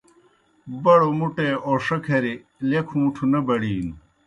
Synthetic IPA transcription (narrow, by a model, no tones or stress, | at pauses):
bɐɽomuʈeoːʂɐkʰɐɾi | lekʰũːʈʰunɐbɐɽiːnu